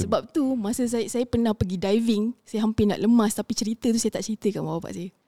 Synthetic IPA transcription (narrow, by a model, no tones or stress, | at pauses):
səbap̚t̪umasəs̬ajsajapərnãhpəɡidajvɪŋsajaɦampɪna̰ʔləmãst̪apit͡ʃəɾit̪ət̪usajat̪aʔt͡ʃəɾit̪əkanbababa̰ʔsajə